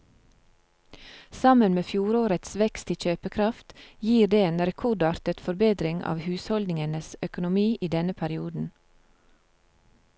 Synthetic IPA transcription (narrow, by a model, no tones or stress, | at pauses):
sɑmənmeːfjuːɾoːɾət̪sʋɛkst̪ɪc͡çøːpəkʰɾɑft̪jiːɾd̪eːeːnɾɛkʰʊɖɑːɾt̪ət̪fɔɾbeːd̪ɾɪŋɑ̰ːʋhʉːshɔlnɪŋənəsœkʊnʊmiːʔiːd̪ɛnəpʰæɾɪuːd̪n̩